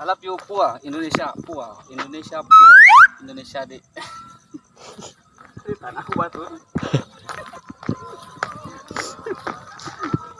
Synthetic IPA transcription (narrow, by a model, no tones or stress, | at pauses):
alapiopuaindonesiapua | indonesiabaindonesiade | et̪anahubat̪u